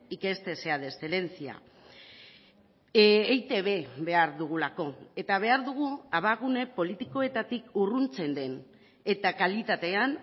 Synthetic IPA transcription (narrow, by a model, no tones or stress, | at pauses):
ike̞st̪e̞se̞aðe̞sele̞nt͡sia̰ | ejt̪e̞βe̞βe̞aɾðuɣ̞ulako̞e̞t̪aβ̞e̞aɾðuɣ̞uaβaɣ̞une̞po̞lit̪iko̞e̞t̪at̪ikurunt͡se̞nd̪e̞n | e̞t̪akalit̪at̪e̞an